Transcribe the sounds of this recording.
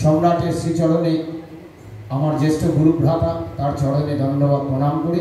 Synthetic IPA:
ʃɔmɾaʈeɾʃɾit͡ɕɔɽone | amaɾd͡ʑeʃʈoɡuɾubɾʱat̪at̪aɾt͡ɕɔɽoned̪ʱɔnːobad̪̚pɾoɽ̃amkoɽe

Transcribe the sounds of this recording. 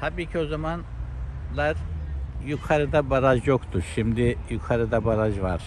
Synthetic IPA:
t̪ʰabiːcʰio̞zamanlˠaɾjukʰaɾɯd̪abaɾad͡ʒjokt̪uɾʃimd̪ijukʰaɾɯd̪abaɾaʒvaɾ̥

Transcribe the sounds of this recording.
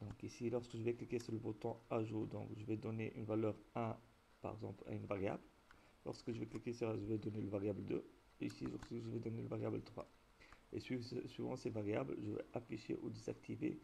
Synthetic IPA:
d̪ɔ̃kisilɔʁskəʒəvɛklikʲesyʁləbɔt̪ɔ̃aʒod̪ɔ̃kʒəvɛd̪ɔneʔynvalœʁɛ̃ | pa̰ʁɛ̰ɡzɑ̃pla̰ynvaʁja̰bl | lɔ̰ʁskəʒəvɛklikʲesɛʁaʒəvɛd̪ɔneləvaʁjabld̪ø̰ | isiʒɔʁsʒəvɛd̪ɔneləvaʁjablt̪χwa̰ | eɥisɥivɑ̰̃sevaʁjablʒəvɛ̰ʔafiʃḛʔod̪ezak̚t̪ʰivḛ

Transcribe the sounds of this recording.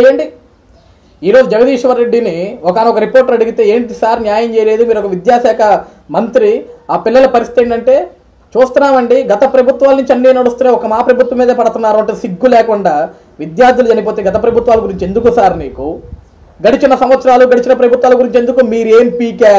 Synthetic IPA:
jɐɳɖi | iːɾo̞ːd͡ʒud͡ʒɐɡɐd̪iːʂʋɐɾːe̞ɖːiniɔkaːniɔkɐɾipo̞ːɾʈːɾɐɽiɡit̪e̞ːeːɳʈisaːɾnjaːjɐmt͡ʃɛːjɐle̞ːd̪umiːɾɔkɐʋid̪jaːsɛːkʰɐ | mɐnt̪ɾiaːpilːɐlɐpɐɾist̪it̪eɳɐɳʈe̞ː | t͡ʃuːst̪unːaːmɐɳɖiɡɐt̪ɐpɾɐbʱut̪ʋaːlɐnuɲt͡ʃiɐnːiːnɐɽust̪uneːɔkɐmaːpɾɐbʱut̪ʋɐmːiːd̪ɐpɐɽɐt̪unːaːɾuɐɳʈesiɡːulɛːkuɳɖaː | ʋid̪jaːɾd̪ʱjulud͡ʒɐnɐp̬oːt̪e̞ːɡɐt̪ɐpɾɐbʱut̪ʋaːlɐɡuɾiɲt͡ʃe̞nd̪ukusaːɾnḭːku | ɡɐɽit͡ʃinːɐsɐmʋɐt̪sɐɾaːluɡɐɽit͡ʃinɐpɾɐbʱut̪ʋaːlɐɡuɾiɲt͡ʃe̞nd̪ukumiːɾue̞ːmpiːkaː

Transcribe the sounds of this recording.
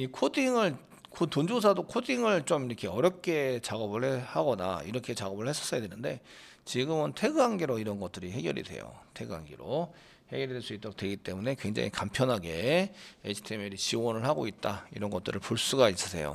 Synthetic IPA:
ikʰodiŋɯɭ | kʰotond͡ʑos̬ʰadokʰodiŋɯɭt͡ɕ͈omiɾʌkʰe̞ʌɾjʌp̚k͈e̞t͡ɕaɡʌbɯɭehaɡʌna̰ḭɾʌkʰe̞t͡ɕaɡʌbɯɭhe̞s͈ʰʌs͈ʌjadwenɯnde̞ | t͡ɕiɡɯmɯntʰe̞ɡɯaŋɡeɾoiɾʌnɡʌt̚t͈ɯɾihe̞ɡjʌ̰ɾḭdwe̞̰jo̰tʰe̞ɡa̰ŋɡeɾo | he̞ɡjʌɾidweɭs͈uit͈ʌok̚twe̞ɡit͈e̞mune̞kwe̞ŋd͡ʑa̰ŋḭkampʰjʌnɦaɡe̞et͡ɕʰi̥tʰemeɾit͡ɕiwʌnɯɭhaɡoit̚t͈aḭɾʌnɡʌt͈ɯɾɯɭpuɭs͈uɡais͈ɯ̥sʰe̞jo̰

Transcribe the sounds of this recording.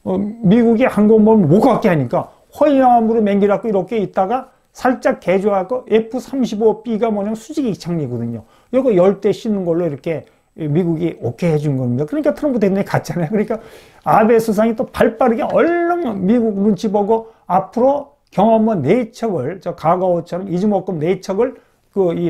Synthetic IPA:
ʌmiɡuɡihanɡʌnmʌmmokʰak͈eɦaɲik͈a | ɸʌijaŋʌmuɾomeŋɡiɾak͈oiɾʌkʰe̞it̚t͈aɡa | sʰaɭt͡ɕ͈ak̚k͈ːed͡ʑoɦaɡoe̞pʰusʰamɕ̬ʰibop͈iɡamwʌɲamnsʰud͡ʑiɡiːk̚t͡ɕʰaŋɲiɡʌdɯɲo | jʌɡʌjʌɭt͈eɕ͈ʰinɯnɡʌɭːoiɾʌkʰe̞ | miɡuɡiokʰe̞ɦed͡ʑunɯnɡʌɲidakɯɾʌɲik͈atʰɯɾʌnpʰud̪edɲikat͡ɕ͈anajokɯɾʌɲik͈a | abe̞sʰus̬ʰaŋit͈opaɭp͈aɾɯɡeʌɭːʌŋmiɡuɡnɯnt͡ɕibʌɡoapʰɯɾo | kjʌŋʌmʌnet͡ɕʰʌɡɯɭt͡ɕʌkaɡaot͡ɕʰʌɾʌmid͡ʑɯmʌk͈ɯmneit͡ɕʰʌɡɯɭ | kɯi

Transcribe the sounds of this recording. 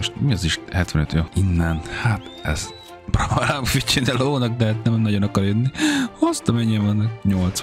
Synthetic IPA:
oʃt̪miɒziʃhɛt̪vɛnø̰t̪joinːɛnhat̪ɛ̰z | probalamfit͡ʃʰːinɛloːnɒk̚d̪ɛɦat̪nɛmnːɒɟonɒkɒrjønːihost̪ɒmɛɲːɛɒnːɒkɲolt̪s

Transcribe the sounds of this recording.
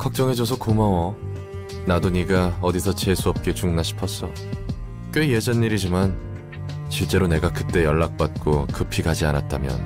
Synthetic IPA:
kʰak̚t͡ɕ͈ʌŋe̞d͡ʑosʰʌkomawʌ | nadoɲiɡaʌdisʰʌt͡ɕe̞sʰuʌp̚k͈et͡ɕuŋnaɕʰi̥pʰʌs͈ʰʌ | k͈eje̞d͡ʑanːiɾid͡ʑiman | t͡ɕiɭt͡ɕ͈e̞ɾone̞ɡakɯt͈e̞jʌɭːak̚p͈at̚k͈okɯpʰiɡad͡ʑia̰nat̚t͈amjʌ̰n

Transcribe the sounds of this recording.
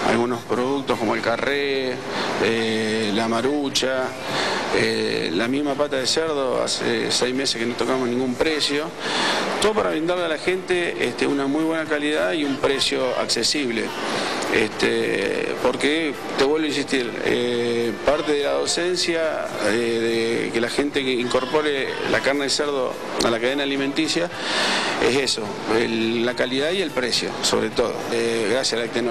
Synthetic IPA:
a̰lɣuno̞spɾoðuk̚t̪ohko̞moelkare | elamaɾut͡ʃa | ḛlamiɦmapat̪aðeseɾð̞o̞a̰sḛsɛjmesehkenot̪o̞kamonĩŋɡumpɾesjo̞ | t̪oðopaɾaβɾind̪aɾlealaxe̞nt̪eḛt̪eunamujβwenakaliðaðiumpɾesjo̞a̰ksesiβle̞̰ḛst̪ḛpoɾke | t̪eβwe̞lβins̬iht̪iɾ | ḛpaɾt̪eðelaðo̞sensjaeðekelaxe̞nt̪eiŋko̞ɾpo̞ɾe | la̰kaɾneeseɾð̞o̰ | a̰lakaðenaliment̪isja | ḛseso̞ | elːakaliðaie̞lpɾesjo̞̰so̞̰βɾet̪o̞ðo̰ɣɾasjasalak̚t̪en

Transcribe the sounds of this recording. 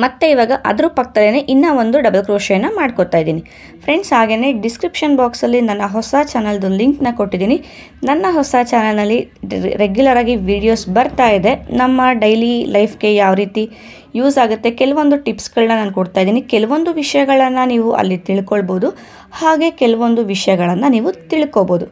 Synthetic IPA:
mɐt̪ːe̞iʋaːɡɐʔɐ̰d̪ɐɾupɐk̚t̪ɐd̪eneʔinːɐo̞nd̪uɖɐbɐlkɾoːʃɐjɐnːɐmaːɖkot̪aːjid̪iːni | pʰɾe̞ɳɖsɦaːɡe̞ne̞ɖiskɾipʂɐnbaːksɐlːinɐnːɐɦɔsɐt͡ʃaːnɐld̪uliŋknɐko̞ʈːid̪iːni | nɐnːɐɦɔsɐt͡ʃaːnɐlnɐlːiɾeɡjulɐɾaːɡiʋiːɽijo̞ːsbɐɾt̪aːjid̪e̞nɐmːɐɖɐjlilʔɐjpʰɡe̞jaːʋɾiːt̪i | juːsaːɡut̪ːe̞kɛlɐʋo̞nd̪uʈipsɡɐɭnːɐnaːnkoɽt̪aːjid̪iːnikɛlɐʋo̞nd̪uʋiʂɐjɐɡɐɭɐnːɐniːʋuʔɐ̰lːit̪iɭkoɭboːd̪u | haːɡe̞kɛlɐʋo̞nd̪uʋiʂɐjɐɡɐɭɐnːɐniːʋut̪iɭkoboːd̪u

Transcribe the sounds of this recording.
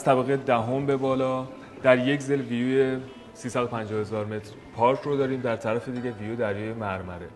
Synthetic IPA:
æz̥t̪ʰæbæɣed̪æɦo̞mbe̞bɒːlɒː | d̪̥æɾjecʰzelvijuje | siːsæd̪opʰænd͡ʒɒːhe̞zɒːɾme̞t̪ʰɾ | pʰɒːɾkʰɾod̪ɒːɾiːmd̪æɾt̪ʰæɾæfed̪iɟevijud̪æɾjɒjemæɾmæɾe

